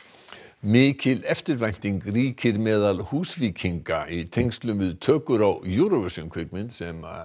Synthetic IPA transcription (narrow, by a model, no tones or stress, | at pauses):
mɪːcɪlɛft̪ɪɾvajn̥t̪iŋkriːcʰɪɾmɛːðalhuːsviːcʰiŋkaʔit̪ʰejŋst̪lʏmvɪðt̪ʰœːkʏɾawjuːɾɔɣɛsʏmkʰvɪkmɪnsɛma̰